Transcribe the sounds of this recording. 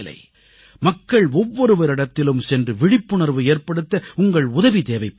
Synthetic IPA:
lɐ̰ɪ | mɐkːɐɭɔʋːɔɾɯʋɐɾɪɽɐt̪ːɪlɯmsɛndrɯʋɪɽɪpːɯɳɐɾʋɯeːrpɐɽɯt̪ːɐʊŋɡɐɭʊðɐʋid̪eːʋɐɪpː

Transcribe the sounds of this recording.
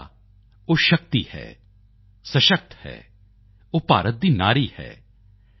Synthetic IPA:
oːʃək̚t̪ḭːhɛ̰ː | sə̃ʃək̚t̪hɛ̰ː | oːpa̰ːɾət̪̚d̪iːna̰ːɾiːhɛ̰ː

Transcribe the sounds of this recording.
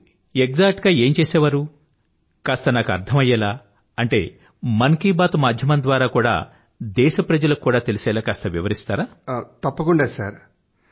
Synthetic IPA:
eɡzaːk̚ʈɡaːe̞ːmt͡ʃeːsɛːʋaːɾu | kaːst̪ɐnaːkuɐ̰ɾt̪ʰɐmɐjːɛːlaː | ɐɳʈe̞̰ː | mɐŋkiːbaːt̪umaːd̪ʱjɐmɐnd̪ʋaːɾaːkuːɽa̰ː | d̪ɛːʃɐpɾɐd͡ʒɐlɐkːuːɽaːt̪e̞lisɛːlaːkaːst̪ɐʋiʋɐɾist̪aːɾaːt̪ɐpːɐkuɳɖaːsaːɾ

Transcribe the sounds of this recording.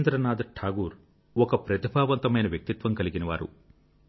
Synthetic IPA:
nd̪ɾɐnaːd̪ɐʈʰaːɡuːɾ | ɔkɐpɾɐt̪ibʱaːʋɐnt̪ɐmɐjnɐʋjɐk̚t̪it̪ʋɐmkɐliɡinɐʋaːɾṵ

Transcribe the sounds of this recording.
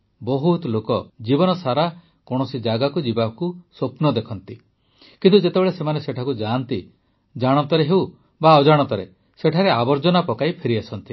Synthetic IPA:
bɔɦut̪lokɔd͡ʒibɔnɔsaɾa | kɔɽ̃ɔsid͡ʒaɡakud͡ʒibakusopnɔd̪ekʰɔnt̪i | kint̪ud͡ʒet̪ebeɭesemaneseʈʰakud͡ʒant̪i | d͡ʒaɽ̃ɔt̪ɔɾeɦew | baɔd͡ʒaɽ̃ɔt̪ɔɾe | seʈʰaɾeabɔɾd͡ʒɔnapɔkajpʰeɾiasɔnt̪i

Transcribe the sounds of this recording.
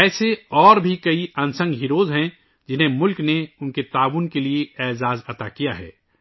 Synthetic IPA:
ɛːseɔːɾbʱikɐiɐnsə̃ŋɡɦiɾoːzɦɛ̃ | d͡ʒɪnɦẽmʊlkneʊnket̪aːʋunkelieɛːzaːzɐt̪akijaɦɛ̰ː

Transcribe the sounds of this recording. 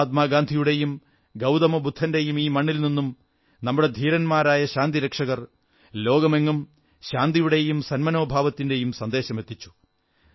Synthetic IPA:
t̪maːɡaːnd̪ʱijuɽe̞jum | ɡɐwd̪ɐmobud̪ʱːɐnde̞jumiːmɐɳːilninːum | nɐmːuɽe̞d̪ʱiːɾɐnmaːɾaːjɐɕaːnd̪iɾekʂɐɣɐr | lo̞ːɡɐme̞ŋːum | ɕaːnd̪ijuɽe̞jumsɐnmɐno̞ːbʱaːʋɐt̪ːinde̞jumsɐnd̪e̞ːɕɐme̞t̪ːit͡ɕːu̥

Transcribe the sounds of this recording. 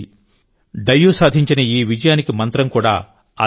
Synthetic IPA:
ɖɐjːusaːd̪ʱiɲt͡ʃinɐiːʋid͡ʒɐjaːnikimɐnt̪ɾɐmkuːɽa̰ː | ɐ̰

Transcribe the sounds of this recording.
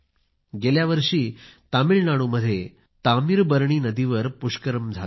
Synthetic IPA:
ɡeljaʋəɾʂiːt̪amiɭnaɽ̃uməd̪ʱːje | t̪amiɾbəɾɳ̃iːnəd̪iʋəɾpuʂkəɾəmd͡zʱal

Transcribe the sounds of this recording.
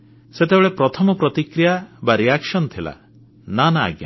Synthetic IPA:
set̪ebeɭepɾɔt̪ʰɔmɔpɾɔt̪ikɾijabaɾijakʃɔnɔt̪ʰila̰ | nana̰ːɡja̰

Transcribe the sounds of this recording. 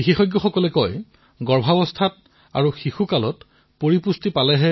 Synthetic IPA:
bixixɔjɡːɔxɔkɔlɛkɔj | ɡɔɹbʱabɔstʰat | a̰ɹuxixukalɔt | poɹipustipalɛɦɛ

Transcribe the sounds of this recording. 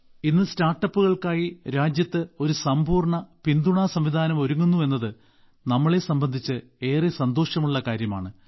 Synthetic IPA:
inːɨstaːrʈːɐpːuɣɐɭkaːjiɾaːd͡ʑjɐt̪ːɨo̞ɾusɐmpuːrɳɐpind̪uɳaːsɐmʋid̪ʱaːnɐmo̞ɾuŋːunːue̞nːɐðɨ | nɐmːɐɭe̞sɐmbɐnd̪ʱit͡ɕːɨ | e̞ːresɐnd̪o̞ːʂjɐmuɭːɐkaːɾjɐma̰ːɳɨ

